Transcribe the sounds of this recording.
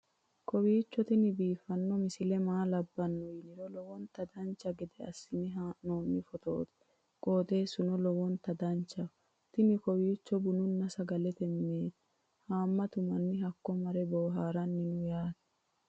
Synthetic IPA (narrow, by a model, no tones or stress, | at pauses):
kʰɔwiːt͡ʃːɔt̪ɪnɪbiːfːɐnːɔmɪsɪlɛmaːlɐbːɐnːʊjɪnɪɾɔlɔwɔnt̪ɐd̪ɐnt͡ʃːɐɡɛd̪ɛɐsːɪnɪɦanoːmːɪfɔt̪o̰ːt̪ɛ̥ | kʼoːt̪ʼe̞ːsʊnɔlɔwɔnt̪ɐd̪ɐnt͡ʃːɐ | t̪ɪnɪkɔwiːt͡ʃːɔbʊnʊnːɐsɐɡɐlɛt̪ɛmɪneːt̪ | haːmːɐt̪ʊmɐnːɪhɐkːɔmɐɾɛboːɦaːɾɐnːɪnʊjaːt̪ɐ̥